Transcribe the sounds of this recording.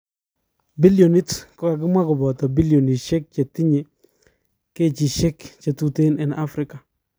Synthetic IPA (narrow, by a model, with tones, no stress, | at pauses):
bi˦ljo˨ni˦tkɔ˦ka˨k̬ɪ˦mwa˦kʊ˨bɔ˨tɔ˨bi˦ljɔ˨ni˨ʃɛ˦k̚t͡ʃe˨ti˦ɲe˨ | ke˦t͡ʃi˨ʃɛ˦kt͡ʃe˨tu˦te˦nɛ˨na˦fɾɪ˦ka˨